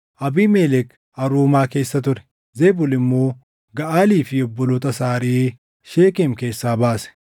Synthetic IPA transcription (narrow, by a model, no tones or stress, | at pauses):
ʔɐbiːmeːlɛk | ɐɾuːmaːke̞ːsːɐt̪̬ʊɾɛ̥ | zeːbʊlɪmːoː | ɡɐʔaːliːfɪjɔbːɔlɔt̪ɐsaːɾeː | ʃeːkeːmke̞ːsːaːbaːsɛ̥